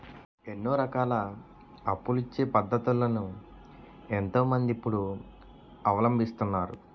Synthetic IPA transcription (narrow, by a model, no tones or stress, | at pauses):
e̞nːuːɾɐkaːlɐː | pːulit͡ʃːe̞ːpɐd̪ːɐt̪ulːɐnu | ent̪o̞ːmɐnd̪ipːuɽu | ɐʋɐlɐmbʱist̪unːaːɾu